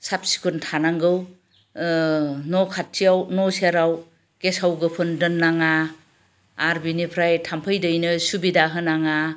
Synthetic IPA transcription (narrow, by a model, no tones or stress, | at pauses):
sap̚si̥kʰuntʰanaŋɡɯw | nɔkʰat̚sijawnɔsiaɾaw | ɡesawɡɯpʰɯndɯnːaŋaː | ɾbinipʰɾajtʰampʰɯjdɯjnɯsubidaɦɯnaŋa